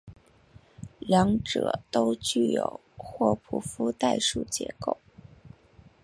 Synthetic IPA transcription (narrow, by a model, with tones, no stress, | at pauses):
ljɑ˧˥ŋʈ͡ʂɤ̰˨˩t̪o˥ʊt͡ɕy˥˩jo̰˨˩ʊxwɔ˥˩pʰu˨˩fu˥t̪a˥˧ɪʂu˥˩t͡ɕjɛ̰˧˥ko˥˩ʊ